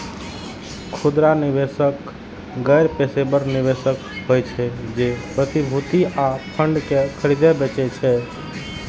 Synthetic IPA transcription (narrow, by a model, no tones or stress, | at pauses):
kʰud̪ɾanibesək | ɡəjɾpesebəɾnibesəkɦojt͡ʃʰɛd͡ʒepɾət̪ibʱut̪iapʰəɳɖkekʰəɾid̪ɛbɛt͡ʃɛt͡ʃʰɛ